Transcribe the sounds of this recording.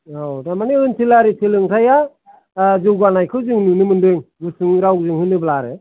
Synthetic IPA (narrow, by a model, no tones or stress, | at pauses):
owdamaniɯnsʰilaɾisʰelɯŋtʰaja | d͡ʒɯwɡanajkʰɯzɯŋnɯnɯmɯndɯŋɡɯsɯŋɾawzɯŋɦɯnɯblaɾɯ